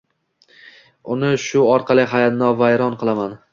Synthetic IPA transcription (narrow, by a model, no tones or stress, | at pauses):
ʊnɪʃʊɒɾqʰɑlˠɪɦajat̪nɒvajɾɒnqʰɨlˠaman